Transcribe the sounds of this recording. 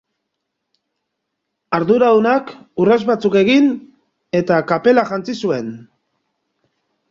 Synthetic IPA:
aɾðuɾaðunakurazβat͡suke̞ɣin | e̞t̪akape̞laʝant͡sisue̞n

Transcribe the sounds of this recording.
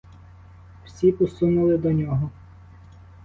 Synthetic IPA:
wsʲipʊsunʊlˠɪd̪ɔnʲɔɦɔ

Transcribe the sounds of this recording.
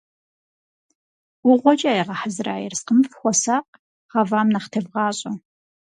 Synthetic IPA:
ʊʁʷɔt͡ʃʼaːjɛʁɐħəzra̰ːjɛ̰rsqəmfxʷɔsaːqʼ | ʁɐvaːmnɐχtʰɨvʁɑːɕʼɐ

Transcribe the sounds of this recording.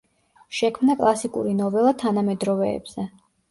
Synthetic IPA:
ʃɛkʰmnakʼlˠasikʼṵɾinɔvɛlˠat̪ʰanamɛd̪ɾɔvɛ̰ːb̥z̥ɛ

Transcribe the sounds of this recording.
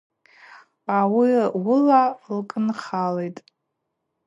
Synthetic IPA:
awiwʊlalkʼɨnχalejtʼ

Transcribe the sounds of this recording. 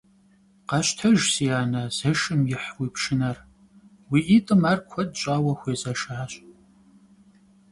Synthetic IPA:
qɑɕtʰɐʒsijaːnɐz̥ɐʃɨmjɪħwiːpʰʃɨnɐr | wiːʔitʼɨmaːrkʷʰɔd̚t͡ʃʼaːwɐxʷeːzɐʃaːɕʼ

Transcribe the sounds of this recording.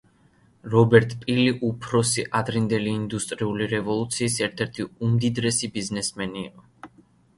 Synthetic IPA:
ɾɔbɛɾt̪ʼpʼiliʔupʰɾɔsiʔad̪ɾind̪ɛliːnd̪ust̪ʼɾiuliɾɛvɔlˠut̪sʰiːsɛɾt̪ʰɛɾt̪ʰiumd̪id̪ɾɛsibiznɛsmɛnḭːqʼɔ

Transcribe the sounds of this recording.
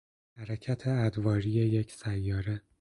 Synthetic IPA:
hæɾecʰæt̪ʰe̞æd̪vɒːɾije̞jecʰsæjːɒːɾe

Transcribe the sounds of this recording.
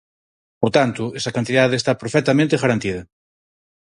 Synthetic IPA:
poɾt̪ant̪ʊesɐkant̪iðaðeest̪apɾofɛt̪amẽnt̪eɣaɾant̪iðɐ

